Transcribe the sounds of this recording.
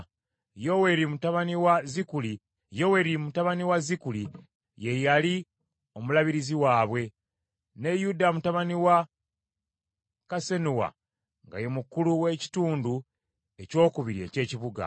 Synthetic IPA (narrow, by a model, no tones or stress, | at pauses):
jo̞we̞ɾimutaβaniwazikuli | jo̞we̞ɾimutaβaniwazikuli | je̞jali | o̞mulaβiɾiziwaːβwe̞ | ne̞judamutaβaniwa | kase̞nuwa̰ | ŋɡa̰je̞mukːuluwe̞ci̥tuːndu | e̞co̞ːkuβiɾie̞̰ce̞ːciβuɡa̰